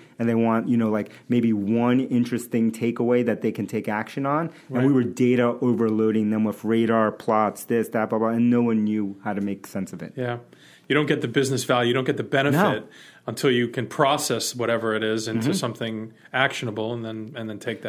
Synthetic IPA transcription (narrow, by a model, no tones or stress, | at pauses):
ɨ̃nðeɪwɑ̃nʔjɨnoʊlaɪk̚ | meɪbiwʌ̃nɪ̃nt͡ʃɹ̥ɨst̪θɪ̃ŋtʰeɪkəweɪðɨt̪̚ðeɪkɨ̃n̩tʰeɪkækʃɨ̃nə̃n | ɨ̃nwiwə˞deɪɾɨʔoʊvə˞loʊɾɪ̃ŋðɨ̃mwəfɹeɪɾɑɹpʰl̥ɑtsðɪstæpʌpɨ̃nːoʊwʌ̃nːjʉhaʊɾɨmeɪksɛ̃nsʌvɪ̰t̚jæ | jɨɾõʊ̃nɡ̥ɛt̪̚ðɨbɪznɨsvælˠjʉjɨɾõʊ̃nɡɛt̪̚ðɨbɛnɨnfɪɾ̃̚ntʰɪlˠjɨkʰɨ̃npʰɹ̥ɑsɛswʌɾɛvə˞ɨɾɪzɪ̃nntusʌ̃mθɪ̃ŋ | ækʃɨnəbl̩ˠə̃nðə̃nɨ̃nðɨ̃ntʰeɪk̚ðɨ